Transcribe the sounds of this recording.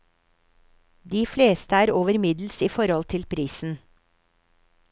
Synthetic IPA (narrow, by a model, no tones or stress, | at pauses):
d̪iːfleːst̪əæːɾoːʋəɾmɪd̪l̩siːfɔɾhɔlt̪ʰɪlpʰɾiːsn̩